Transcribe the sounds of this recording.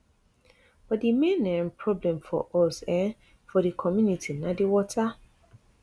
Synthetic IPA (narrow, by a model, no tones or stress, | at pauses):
b̥ɔtdimẽnːɛ̃mpʰɹɔblɛ̃mfɔ̰ʔɔsɛ̃n | fɔɾikʰɔmjunitʰinãdɪwɔtʰa